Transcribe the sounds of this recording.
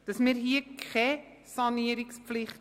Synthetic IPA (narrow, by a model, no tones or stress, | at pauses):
d̥əsmirɦiəkχɛ | sɑniəɾikspfliχ